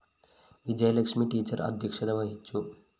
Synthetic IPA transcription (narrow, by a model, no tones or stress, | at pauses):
ʋid͡ʒɐjɐlɐkʂmiʈiːt͡ʃɐɾɐ̰d̪ʱjɐkʂɐd̪ɐʋɐɦit͡ʃːu